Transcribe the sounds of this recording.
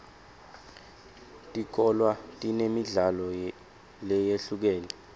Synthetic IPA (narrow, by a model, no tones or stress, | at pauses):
tʼik̬ʰɔlwatʼinemiɮalɔ | lɛjeɬuk̬ɛːlɛ